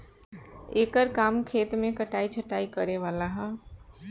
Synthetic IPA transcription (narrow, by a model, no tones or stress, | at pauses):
eːkəɾkaːmkʰeːt̪mẽkəʈaːit͡ʃʰəʈaːikəɾeʋaːlaɦə